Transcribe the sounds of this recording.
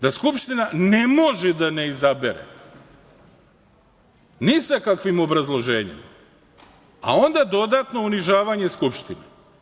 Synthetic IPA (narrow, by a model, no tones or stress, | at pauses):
d̪askupʃt̪inane̞mo̞ʒed̪ane̞izabeɾḛ | nisakakʋimo̞bɾazlˠo̞ʒeːɲḭm | a̰o̞nd̪ad̪o̞d̪at̪no̞uniʒaːʋaɲe̞skupʃt̪ine